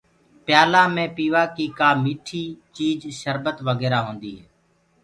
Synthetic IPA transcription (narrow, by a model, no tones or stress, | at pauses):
pjaːlaːmẽːpiːʋaːkiːkaːmiːʈʰiːt͡ʃiːd͡ʒʃəɾbət̪ʋəɡɛːɾaːɦõːnd̪iːɦɛː